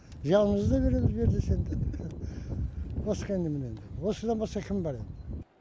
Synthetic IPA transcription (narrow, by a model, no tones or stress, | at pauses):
ʒɑlˠəməzd̪əβe̞ɾe̞mɪzbe̞ɾd̪ese̞nd̪ɪ | wosqɑend̪emɪnend̪ɪwo̞səd̪ɑnbɑsq̪ɑkʲʰɪmbɑɾed̪ɪ